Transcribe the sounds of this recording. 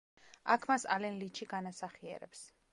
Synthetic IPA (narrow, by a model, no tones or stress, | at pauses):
akʰmasa̰lɛnlit͡ʃʰiɡanasaχiɛ̰ɾɛ̰ps